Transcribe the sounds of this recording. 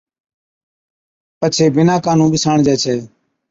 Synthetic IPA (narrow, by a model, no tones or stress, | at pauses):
pət͡ʃʰeːbɪnãːkaːnũːɓɪsaːɳd͡ʒɛːt͡ʃʰɛː